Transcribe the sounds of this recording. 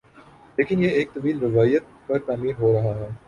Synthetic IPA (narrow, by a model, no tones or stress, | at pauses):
leːkɪnjeeːk̚t̪ɐʋiːlɾɪʋaːjət̪̚pɐɾt̪aːmiːɾɦoːɾɐɦaɦɛː